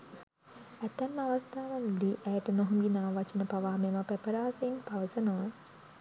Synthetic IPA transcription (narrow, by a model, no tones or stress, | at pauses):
æt̪ːɛmːəaʋast̪aːʋand̪iʔɛjəʈənoɦuŋɡinaːʋat͡ʃənəpaʋaːmemapæpəɾaːseinpaʋəsənoʋa